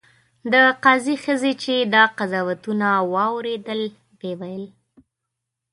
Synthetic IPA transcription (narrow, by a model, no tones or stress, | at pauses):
d̪əqɑzixəzet͡ʃed̪ɑqazɑwat̪unawɑwɾed̪əl | bewajəl